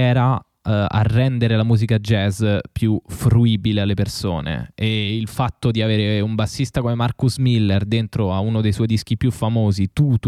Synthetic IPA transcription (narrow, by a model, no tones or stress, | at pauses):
ɛːɾa | a̰rːɛnd̪eɾelamuːzikad͡ʒɛzpjufɾuiːbilealːeperso̰ːnḛːilfat̪ːod̪iaveːɾeumbasːist̪akomemarkuzmilːerd̪ent̪ɾoaunod̪ejswɔjd̪isk̟ipjufamoːzit̪ut̪